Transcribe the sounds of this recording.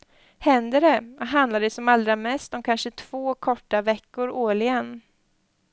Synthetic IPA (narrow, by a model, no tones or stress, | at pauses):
hɛnd̪əɖɛɦand̪laɖɛsɔmald̪ɾamɛst̪ɔmkʰanʂət̪ʰv̥oːkʰɔʈːavɛkːʊɾoːɭɪɛnː